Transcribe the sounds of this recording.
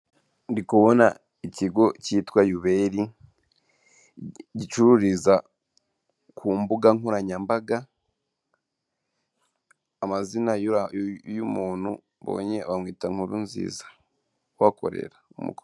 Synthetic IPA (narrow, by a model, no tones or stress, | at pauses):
ndikuβo̞na̰ | iciɡo̞citwajuβeɾi | ɟit͡ʃuɾuɾiza | kʰuːmbuɡaŋuɾaɲambaɡa | mazinajajumuːn̥hṵ | βo̞̰ːɲe̞βamwiːtaŋhuɾunzḭːzḁ | wako̞̰ɾe̞̰ɾaumṵko